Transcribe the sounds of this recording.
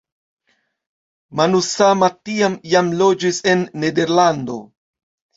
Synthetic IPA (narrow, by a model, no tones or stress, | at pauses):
manusamatiamjamlo̞d͡ʒise̞nːe̞de̞ɾland̪o̞̰